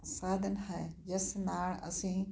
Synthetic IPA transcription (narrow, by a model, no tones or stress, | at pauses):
saːd̪ɐnhɛːjɐsnaːɽɐ̰sĩː